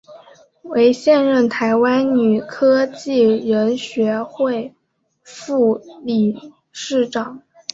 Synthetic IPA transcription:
we˧˥ɪɕjɛ˥˧nɻə˥˩nt̪ʰa˧˥ɪwa˥nny˨˩kʰɤ˥t͡ɕi˥˩ɻə˧˥nɕɥɛ˧˥xwe˥˧ɪ | fu˥˧li˨˩ | ʂɻ̩˥˩ʈ͡ʂɑ˨˩˦ŋ

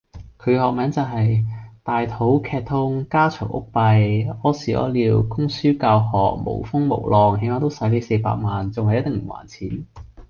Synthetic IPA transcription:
kʰɵ˨˧hɔː˨k̚mɛː˨˥nt͡sɐ˨˩wɦɐ˨jt̪aː˨jt̪ʰo˨˥wkʰɛː˧t̚t̪ʰʊ˥ŋkaː˥t͡ʃʰœ̰ː˨˩ŋʔʊ̰˥k̚pɐ˧jɔː˨˥siː˨˩ɔ̰˨˥liː˨˧wkʊ˥ŋsyː˥kaː˧whɔː˨k̚mo̰˨˩wfʊ˥ŋmo̰˨˩wlɔː˨ŋɦe˨˧˥maː˨˧t̪o˥wsɐ˨˥jle˨˥jse˧jpa̰ː˧k̚maː˨˩nt͡sʊ˨ŋhɐ˨jɐ˥t̪ɪ˨ŋm̩˨˩wa̰ː˨˩nt͡sʰiː˨˥n

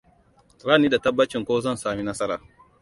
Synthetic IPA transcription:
ɾaː˦niː˦da˨tɐ˦bːɐ˦t͡ʃɪ˨ŋkʷoː˦zɐ˦˨nsaː˨mi˦nɐ˦sɐ˦ɾaː˨

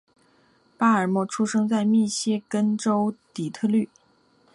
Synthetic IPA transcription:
pa˥ə˞˨˩mwɔ˥˩ʈ͡ʂʰu˥ʂɤ˥ŋt͡sa˥˧ɪmi˥˩ɕjɛ˥kə˥nʈ͡ʂo˥ʊt̪i˨˩t̪ʰɤ˥˧ly˥˩

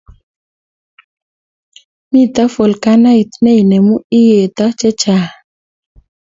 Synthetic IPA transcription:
mi˦t̪a˦fo˨lka˦na˦ɪ˨t̪nɛ˦i˨nɛ˨mu˦ɪ˦je˨t̪ɔ˦t͡ʃɛ˦t͡ʃa˨

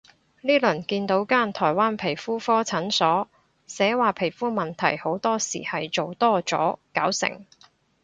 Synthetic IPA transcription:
liː˥lɵ˨˩nkiː˧nt̪o˨˥wkaː˥nt̪ʰɔː˨˩jwaː˥npʰe˨˩jfuː˥fɔː˥t͡sʰɐ˨˥nsɔː˨˥ | sɛː˨˥waː˨pʰe˨˩jfuː˥mɐ˨nt̪ʰɐ̰˨˩jho˨˥wt̪ɔː˥sḭː˨˩hɐ˨jt͡so˨wt̪ɔː˥t͡sɔ̰ː˨˥kaː˨˥wsɪ̰˨˩ŋ

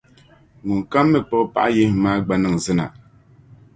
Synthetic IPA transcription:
ŋu˨ŋ̩˨ka˦mːɛ˦˨k͡pɔ˦˨˦pa̰˦ʔje˦hmaː˦ɡ͡ba˨nɨ˦˨ŋzɨ˦na˨

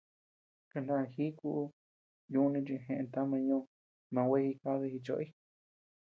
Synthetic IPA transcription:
ka˧ndã˧hi˦ku˦ʔu˧˦ | jũ˧˦˧nĩ˧t͡ʃĩ˧ɦẽ˧ʔẽ˧t̪a˦mã˧ɲõ˦˧ | mã˧wʷe˦hi˧ka˦ðe˧hi˧t͡ʃo̰˧i˦

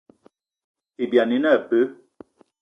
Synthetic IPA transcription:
i˨bja˨ni˨˦nɛ˦˨pə˦

